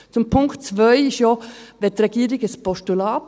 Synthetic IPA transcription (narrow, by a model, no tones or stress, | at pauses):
t͡sʊmpʰʊŋktt͡svœʏɪʃoʋɪtɾɛɡiːɾɪɡəspʰɔstulɑːt